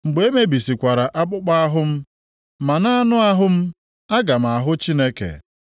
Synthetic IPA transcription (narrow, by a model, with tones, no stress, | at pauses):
ŋ͡m̩˨ɡ͡be˨e˦me˦bi˨si˨kʷa˨ɾa˨ʔa˦k͡pʊ˦k͡pa˦a˦ɦʊ˦m̩˦ | ma˨na˦a˦nʊ˦a˦ɦʊ˦m̩˦ | a˦ɡa˨m̩˨a˨ɦʊ˦t͡ʃi˦ne˦kḛ˨